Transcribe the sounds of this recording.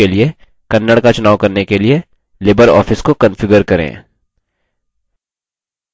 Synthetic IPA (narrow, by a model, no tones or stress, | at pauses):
elie | kɐnːəɽkat͡ʃʊnaːwkɐɾnekelie | lɪːbəɾɔ̰ːfɪskokɐ̃nfɪɡəɾkɐɾḛ̃ː